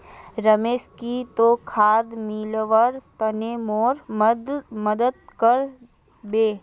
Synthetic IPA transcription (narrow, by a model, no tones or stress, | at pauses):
ɾəmeːskit̪okʰaːd̪miːlʋəɾt̪ɐneːmoːɾ | məd̪əd̪̚kəɾ | beː